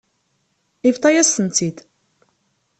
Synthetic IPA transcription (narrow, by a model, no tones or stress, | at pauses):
ift̪ˤɑjæst̪ənt̪id̪